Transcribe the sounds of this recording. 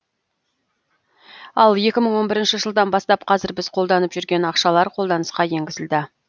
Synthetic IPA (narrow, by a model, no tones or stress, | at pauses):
ɑlˠje̞kʲɪməɴwo̞nbɪɾɪnʃɪʒəlˠd̪ɑnbɑst̪ɑpqʰɑzɪɾbɪzqʰo̞lˠd̪ɑnəpʒ̥ʏɾɡʲe̞nɑqʃɑlˠɑɾqʰo̞lˠd̪ɑnəsqɑje̞ŋɡʲɪzɪld̪ɪ